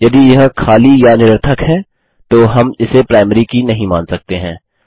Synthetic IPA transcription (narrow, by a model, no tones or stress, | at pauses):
jɐd̪ijɐɦkʰaːlijanɪɾəɾt̪ʰəkɦɛ̃ː | t̪oɦɐmɪsepɾaːɪməɾikinɐɦĩmãːnsɐk̚t̪eɦɛ̃ː